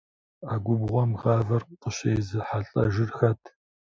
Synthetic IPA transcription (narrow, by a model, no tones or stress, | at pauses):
aːɡʷʊbʁʷɔmʁaːvɐrqəɕejzɨħaɬʼɐʒɪrxɐtʰ